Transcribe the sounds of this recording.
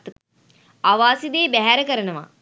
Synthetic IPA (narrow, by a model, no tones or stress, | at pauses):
t̪ | aʋaːsid̪eːbæɦæɾəkəɾənəʋa̰